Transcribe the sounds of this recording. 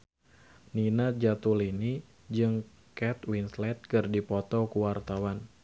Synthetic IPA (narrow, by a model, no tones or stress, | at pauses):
ninad͡ʒat̪ulini | d͡ʒɨŋ | kɛt̪winslɛt̪̚kɨrdipɔt̪ɔkuwart̪awan